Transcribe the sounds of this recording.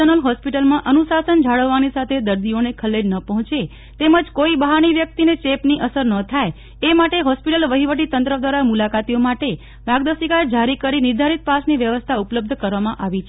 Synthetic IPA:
ənəlɦɔspiʈəlmãʔənusasənd͡ʒʱaɽəʋːanisat̪ʰed̪əɾd̪ionekʰəlːeɾnəpəɦɔ̃t͡ʃe | t̪eməd͡ʒkoibəɦaɽ̃iʋjək̚t̪inet͡ʃepniʔəsəɾnət̪ʰae | emaʈeɦɔspiʈəlʋəɦiʋəʈit̪ə̃nt̪ɾəd̪ʋaɾamulakat̪ijomaʈe | bʱaɡd̪əsikad͡ʒaɾikəɾinɪɾd̪ʱaɾit̪̚pasniʋjəʋəst̪ʰaupləb̚d̪ʱkəɾʋamãʔaʋit͡ʃʰe

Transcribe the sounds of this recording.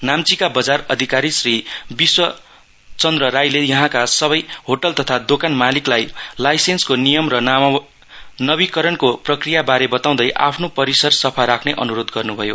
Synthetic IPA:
namt͡sikabʌd͡zarʌd̪ʱikaɾisribiswʌ | t͡sʌnd̪rʌɾajlejʌɦãkasʌβʌjhoʈʌlt̪ʌt̪ʰad̪okanmaliklajlajsenskonijʌmrʌ | nʌbikʌɾʌnkoprʌkrijabaɾebʌt̪aw̃d̪ʌjʔa̰pʰnopʌɾisʌrsʌpʰaɾakʰneʔʌ̰nuɾod̪ɡʌrnubʱʌjo̰

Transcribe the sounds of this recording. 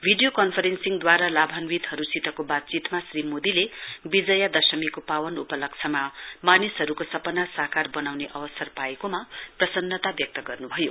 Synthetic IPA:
bʱiɖijokʌnpʰʌɾensiŋd̪waɾalabʱʌnwit̪ɦʌɾusit̪ʌkobat̪̚t͡sit̪masrimod̪ilebid͡zʌjad̪ʌsʌmikopawʌnupʌlʌk̚t͡sʰʌmamanisɦʌɾukosʌpʌnasakarbʌnawneʔʌwʌsʌrpaekomaprʌsʌnːʌt̪abjʌk̚t̪ʌɡʌrnubʱʌjo

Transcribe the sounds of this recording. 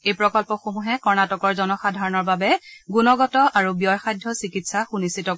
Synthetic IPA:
ejpɹɔkɔlpɔxomuɦɛkɔɹnatɔkɔɹzɔnɔxadʱaɹɔnɔɹbabɛɡunɔɡɔtɔʔaɹubiɔjxajdʱjɔsikitsaxunisitɔ

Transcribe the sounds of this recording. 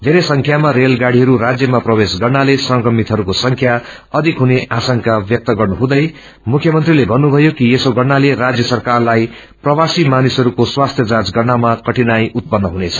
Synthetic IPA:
d̪ʱeɾesʌŋkʰjamaɾelɡaɽiɦʌɾuɾad͡zjʌmaprʌbesɡʌrnalesʌ̃ŋkʌmit̪ɦʌɾukosʌŋkʰja | ʌd̪ʱikɦuneʔasʌŋkabjʌk̚t̪ʌɡʌrnuɦũd̪ʌj | mukʰjʌmʌnt̪rilebʱʌnːubʱʌjokijesoɡʌrnaleɾad͡zjʌsʌrkarlaj | prʌwasimanisɦʌɾukoswast̪ʰjʌd͡zad͡zɡʌrnamakʌʈinajut̪̚pʌnːʌɦunet͡sʰʌ̥

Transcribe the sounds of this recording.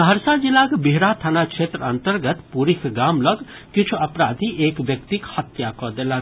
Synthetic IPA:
ɐɾsad͡ʒilaːkbiɦɾat̪ʰɐnakʃʰeːt̪ɾɐnt̪əɾɡət̪puɾikɡaːmlɔɡ | kit͡ʃʰuɐpɾaːd̪ʱiʔeːkʋjɐkt̪ikhɐt̪jakɔd̪eːlaː

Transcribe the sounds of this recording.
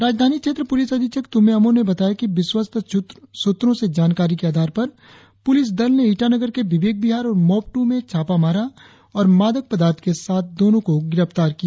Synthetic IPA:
ɾaːd͡ʒd̪ʱaːnikʃeːt̪ɾəpʊlɪsɐd̪ɪt͡ʃəkt̪ʊmẽɐmõnebɐt̪aːjakiʋɪswəst̪ʰsʊt̪ɾõsed͡ʒaːnkaːɾikeaːd̪ʱaːɾpɐɾ | pʊlɪs̬d̪ɐlneiːʈanəɡəɾkeʋɪʋeːk̚bɪɦaːɾɔːɾmɔːp̚ʈumẽt͡ʃʰaːpamaːɾa | ɔːɾmaːd̪ək̚pɐd̪aːɾt̪ʰkesaːt̪̚ʰd̪oːnõkoɡɪɾəft̪aːɾkia

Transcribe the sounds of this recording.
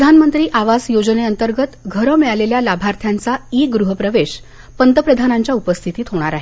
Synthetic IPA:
pəd̪ʱanmənt̪ɾiːʔaʋasjod͡zəneənt̪əɾɡət̪ɡʱəɾəmeɭaleljalabʱaɾt̪ʰjant͡saiːɡɾuɦəpɾəʋeɕ | pənt̪əpɾəd̪ʱanaɲt͡ɕjaupəst̪ʰit̪iːt̪ʰɦoɽ̃aɾaɦe

